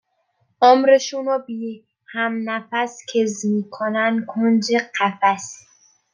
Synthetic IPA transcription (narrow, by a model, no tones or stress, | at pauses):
ʔomɾeʃunɔbi | hæmnæfæskʰezmiːkʰonænkʰond͡ʒeqʰæfæs